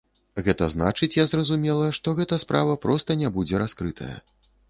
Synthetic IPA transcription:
ɣɛt̪ɐzna̰t͡ʂɨt͡sʲjazrɐzumʲɛlˠɐʂt̪ɔɣɛt̪ɐspɾʔavɐpɾɔst̪ɐnʲɛbud͡zʲɛɾaskɾɨt̪ʰɐ̰jɐ̰

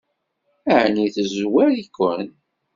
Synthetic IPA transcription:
æʕniθəzwæɾikːən

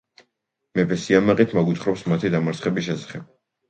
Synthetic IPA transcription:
mɛpʰɛsiamaqʼit̪ʰmaɡwit̪χɾɔpsmat̪ʰid̪amaɾt̪sʰχɛbisʃɛsḁχɛb̥̚

